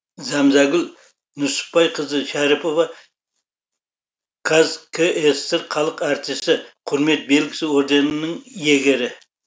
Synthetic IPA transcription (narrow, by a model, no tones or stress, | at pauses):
zɑmzɑɡɪl | nʊsʊ̥pːɑjqʰəzəʃæɾipo̞vɑ | kʰazkʰeʔest̪əɾqʰɑlˠəqɑɾt̪ist̪ɪqʰʊɾme̞t̪̚be̞lɡʲɪ̥sɪo̞ɾd̪e̞nənəŋje̞ɡʲeɾɪ